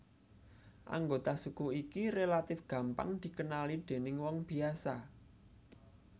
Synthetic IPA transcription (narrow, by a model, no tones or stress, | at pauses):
ʔa̰ŋɡot̪asukuikirelat̪ɪfɡ̥ä̤mpa̰ŋd̪̥i̤kənalid̪̥e̤nɪŋwɔŋb̥i̤asa